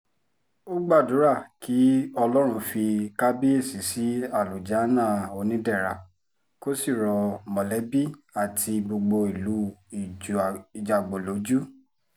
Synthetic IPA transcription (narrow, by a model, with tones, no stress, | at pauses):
o˦ɡ͡ba˦˨du˨˦ɾa˦˨kʰi˨˦ɔ˧lɔ˦ɾ̃ũ˧fi˧ka˦bi˦e˦˨si˨˦si˦a˦˨lu˨d͡ʒa˨˦nã˦˨o˧nĩ˦dɛ˦˨ɾa˨ | ko˦si˦˨ɾɔ˧mɔ̃˨lɛ˨˦bi˦a˦˨tʰi˧ɡ͡bo˧ɡ͡bo˧i˨lu˨˦i˨i˨d͡ʒa˨ɡ͡bo˨lo˨˦d͡ʒu˦